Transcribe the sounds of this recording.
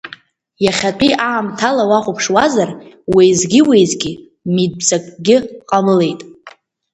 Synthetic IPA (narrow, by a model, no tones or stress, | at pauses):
jaχʲat͡pʼiʔaːmtʰalawaχʷupʰʂwazar | wijzɡʲɪwejzɡʲi | mid̚pt͡sakʼɡʲɪqʼamɨle̞jtʼ